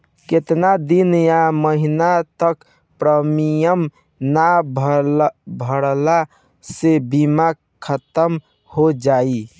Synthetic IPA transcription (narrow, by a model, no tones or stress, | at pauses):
ket̪nad̪injaməɦinat̪ək | pɾəmijəm | nabʱ | bʱəɽla | sebima | kʰət̪əm | hod͡ʒai